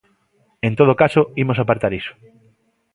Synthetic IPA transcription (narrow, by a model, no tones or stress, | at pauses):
ẽnt̪oð̞okasoimosapaɾt̪aɾiso̥